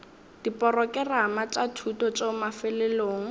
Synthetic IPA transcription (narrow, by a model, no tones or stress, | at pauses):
d̥ipʼɔrɔkɛramat͡ʃʼatʰutɔt͡ʃeʊmafɛlɛloːŋ̩